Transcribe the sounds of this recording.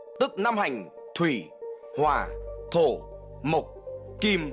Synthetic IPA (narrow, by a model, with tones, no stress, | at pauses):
t̪ɨ˦˥k̚na˧mha˨˩jŋ̟t̪ʰwi˧˩hwa̰ː˨˩t̪ʰo˧˩ | mə˨˩k͡p̚ki˧m